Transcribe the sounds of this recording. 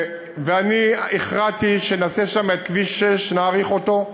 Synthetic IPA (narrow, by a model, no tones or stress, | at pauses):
veanieχʁatiʃenaseʃamet̪̚kviʃeʃnaːʁiχo̞t̪o̞